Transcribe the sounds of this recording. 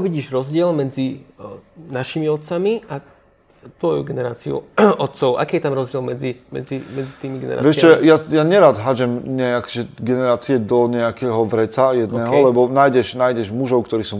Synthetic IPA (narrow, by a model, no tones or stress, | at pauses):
ɔʋiɟiːʒɾɔzɟɪɛlmɛd͡zi | naʃimiɔt̪̚t͡samia | t̪ʋɔjṵɡɛnɛɾaːt͡siṵɔt̪t͡sɔʊʔa̰kiːjɛt̪amɾɔzɟɪɛlmɛd͡zimɛ̰d͡zimɛd͡zit̪iːmiɡɛ̰nɛ̰ɾa̰vɛʃɛjajaɲɛɾaːd̪ɦad͡ʒɛmɲɛakɔʒɛɡɛnɛɾaːt͡siɛd̪ɔɲɛakɛːɦɔʋɾɛt͡sajɛd̪nnɛːɦɔlɛbɔnaːjɟɛʃnaːjɟɛʒmuʒɔʊkt̪ɔɾiːsuː